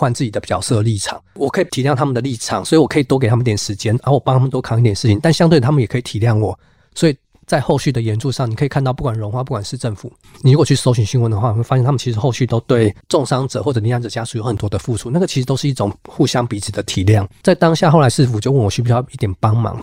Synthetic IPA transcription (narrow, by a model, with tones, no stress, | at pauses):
wa˥˧nt͡sɹ̩˥˩t͡ɕi˨˩d̪ə˦pi˨˩t͡ɕɑ̰˨˩ʊsɤ˥˧li˥˩ʈ͡ʂʰɑ̰˨˩˦ŋwɔ˨˩kʰɤ˧˥i˨˩t̪ʰi˨˦ljɑ˥˩ŋt̪ʰa˥mə˨nd̪ə˩li˥˩ʈ͡ʂʰɑ̰˨˩˦ŋswɔ˧˥i˨wɔ˨˩kʰɤ˧˥i˨˩t̪wke˨˩ɪt̪ʰa˥ə˨˧˥t̪jɛ˨˩ʂɻ̩˧˦˥t͡ɕjɛ˥nə˧˦wɔ˨˩pɑ˥ŋt̪ʰa˥mə˨t̪o˥kʰɑ˨˩ŋi˥˩t̪jɛ˨nʂ̩ʰ˥˩i˨˩ŋt̪a˥˩nɕjɑ˥ŋt̪we˥˩ə˩a˥mə˨jɛ˨˩kʰɤ˧˥i˨t̪ʰi˨˩˦ljɑ˥˩ŋwɔ̰˨˩ | swɔ˧˥i˨˩ | t͡sa˥˧ɪxo˥˧ʊɕy˥˩d̪ə˩jɛ˧˥nʈ͡ʂʰu˥˧ʂɑ˥˩ŋni˨kʰɤ˧˥i˨˩kʰt̪ɑ˥˧ʊpu˥˩kwa˨˩nɻo˧˥ŋxwa˥˧pu˥˩kwa˨˩nʂɻ̩˥˧ʈ͡ʂə˥˩fṵ˨˩ | ni˨˩ɻu˧˥wɔ˨˩t͡ɕʰy˥˩so˥ʊɕy˨˩nɕi˥nwə˧˦nd̪ə˧xwa˥˩n˨˩we˥˩a˥jɛ˥˧nʰa˥m˨t͡ɕi˧ʂɻ̩˧˥xo˥˧ʊɕy˥˩t̪o˥ʊt̪we˥˧˩ɪʈ͡ʂʊ˥˧ŋʂɑ˥ŋʈ͡ʂɤ̰˨˩xwɔ˥˩ɤ˨˩ni˧˥ja˧˥nʈ͡ʂɤ˨˩t͡ɕja˥ʂu˨˩jo˧˥ʊxə˨˩nt̪wɔ˥d̪ə˨fu˥˩ʈ͡ʂʰu˧˥na˥˩ɡə˩t͡ɕʰi˧˥ʂɻ̩˧t̪o˥ʊʂɻ̩˥˧i˥˩ʈ͡ʂʊ˨˩ŋxu˥˧˩ɕjɑ˦ŋpi˧˥t͡s̩ʰ˨˩d̪ə˦t̪ʰi˨˩˦ljɑ˥˩ŋt͡sa˥˩ɪt̪ɑ˥ŋɕja˥˧xo˥ʊla˧˥ɪʂɻ̩˥˩fu˨˩t͡ɕjo˥˧ʊwə˥˩nwɔ˨˩y˥pi˥˩˥i˥˩t̪jɛ˨˩npɑ˦˥ŋmɑ̰˧˦ŋ